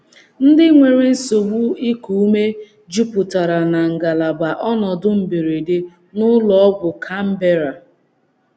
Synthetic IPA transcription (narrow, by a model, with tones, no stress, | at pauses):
n̩˦dɪ˦ŋʷe˨ɾe˦n̩˦so˨ɡ͡bu˦i˦ku˨u˦me˦ | d͡ʒu˦pʊ˨ta˨ɾa˨na˨ŋ̩˨ɡa˨la˨ɡ͡ba˨ʔɔ˦nɔ˨dʊ˦m̩˨be˨ɾe˨de˦ | nʊ˦lɔ˦ɔ˦bʊ˨kʰa˦m̩˦be˦ɾa˨